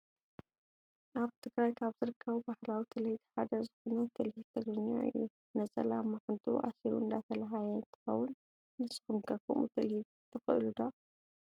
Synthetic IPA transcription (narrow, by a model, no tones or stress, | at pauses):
ʔaβt̪ʰɨɡɾajkʰaβzɨɾɨkʰːɐβubaħlawit̪ʰɨlɐjid̪ħad̪ɐzɨxonɐt̪ʰːɨlhit̪ʰɐɡɾɨɲːa̰ʔɨ̰jːu | nɐt͡sʼɐ̰lamːaħɨnt̪ʼṵʔa̰siɾṵɨnd̪at̪ʰɐlaɦajɐɨnt̪ʰɨ̥xɐ̰wːʊn | nɨskumɡɐkʰɐ̰mṵt̪ʰɐlhib | t̪ʰːɨxɨ̰ʔlud̪o